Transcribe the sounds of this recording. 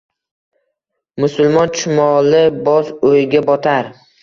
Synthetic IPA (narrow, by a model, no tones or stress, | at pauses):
mʊsʊlˠmɒnt͡ʃʰʊmɒlɪbɒsojɡʲabɒt̪ʰaɾ